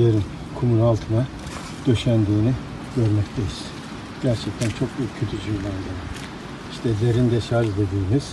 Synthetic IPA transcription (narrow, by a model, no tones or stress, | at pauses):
eɾin | kʰomunalˠt̪ʰɯna | d̪̥ø̞ʃænd̪iːni | ɟ̥ø̞ɾmɛct̪ʰejiz̥ | ɟ̥æɾt͡ʃʰɛc̚t̪ʰænt͡ʃʰo̞kbyːcʰøt̪ʰyd͡ʒʰyjlˠand̪aɾɯ | iʃt̪ʰɛzeɾind̪ɛʃad͡ʒd̪e̞d̪iːmiz̥